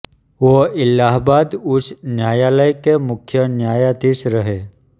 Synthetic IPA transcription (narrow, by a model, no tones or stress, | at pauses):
ʋoɪlːaɦbad̪usnjajaləjkemukʰːjənjajat̪iːsɾəɦe